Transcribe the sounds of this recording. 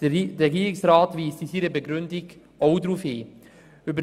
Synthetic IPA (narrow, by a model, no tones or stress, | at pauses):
ɛɡiːɾɪksraːtviːstisiɾəbəɡɾʏndɪɡ | ʔɔʊdɾufeː | ybə